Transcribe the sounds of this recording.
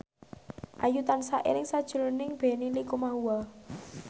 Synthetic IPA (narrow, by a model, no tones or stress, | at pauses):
ʔajut̪ansaʔḛɾɪŋsad̥ʒ̥ṳlonɪŋb̥e̤nilikumaɦuwa